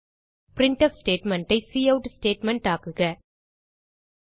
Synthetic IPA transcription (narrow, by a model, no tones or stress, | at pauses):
pɾɪɳʈɐfsʈeːʈmɛɳʈɐɪsiːɐʊʈsʈeːʈmɛɳʈaːkɯɣɐ